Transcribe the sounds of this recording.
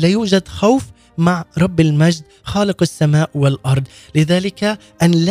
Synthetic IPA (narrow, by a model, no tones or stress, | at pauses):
laːjuːd͡ʒad̪xawf | maʕɾˤɑbːalmad͡ʒd̪ | xaːlɪqasːamaːʔwalʔɑɾˤd̪ˤ | lɪðaːlɪka | ʔanl